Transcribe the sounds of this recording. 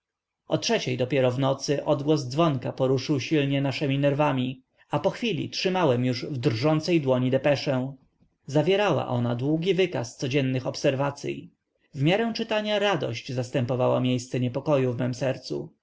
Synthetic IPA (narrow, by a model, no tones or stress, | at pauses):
ʔɔtʂɛt͡ɕejd̪ɔpʲjɛɾɔvnɔt̪sɘʔɔd̪ɡwɔzd̪zvɔŋkapɔɾuʂɘwɕilɲɛnaʂɛmʲinɛɾvamʲi | apɔxfʲilʲḭtʂɘmawɛmjuʐvd̪rʐɔnt̪sɛjd̪wɔɲid̪ɛpɛʂɛ̃w̃ | zavʲjɛɾawa̰ʔɔnad̪wuɡʲivɘkast̪sɔd͡ʑɛnːɘxɔpsɛɾvat̪sʲjḭ | vmʲjaɾɛ̃w̃t͡ʂɘt̪aɲaɾad̪ɔ̰ɕt͡ɕzast̪ɛmpɔvawa̰mʲjejst̪sɛɲɛpɔkɔjuvmɛmsɛɾt̪sṵ